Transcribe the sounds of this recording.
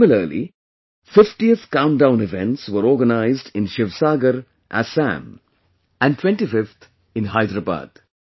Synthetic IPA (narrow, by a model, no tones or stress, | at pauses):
mɪləɾlḭ | fɪfʈiət̪kãʊ̃nɖãʊ̃nɪvɛ̃ɳʈsʋəɾɔːɾɡənaɪzɖɪ̃nʃɪʋsaːɡəɾ | ʔæ̰sæ̰̃m | æ̃nɖʈʰwɛ̃nʈifɪft̪ʰ | ɪ̃nɦaɪd̪ɾaba̰ːd̪̥